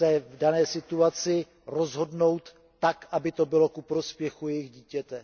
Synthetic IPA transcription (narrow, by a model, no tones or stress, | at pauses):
ɛvdanɛːsɪt̪uat͡sɪ | ɾo̞zɦo̞dno̞wt̪ː | akʔabɪt̪o̞bɪlo̞kupɾo̞spjɛxujɛjɪɣɟiːcɛt̪ɛ